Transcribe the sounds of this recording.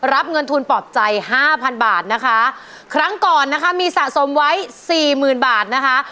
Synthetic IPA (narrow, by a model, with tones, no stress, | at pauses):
ɾa˦˥p̚ŋɤ˧nt̪ʰu˧npɔː˨˩p̪̚t͡ɕa˧jhaː˥˩pʰa˧nbaː˨˩t̪̚na˦˥kʰa˦˥ | kʰɾa˦˥ŋkɔː˨˩nːa˦˥kʰa˦˥miː˧sa˨˩ʔso˩˦mwa˦˥jsiː˨˩mɯː˨˩nbaː˨˩t̪̚na˦˥kʰa˦˥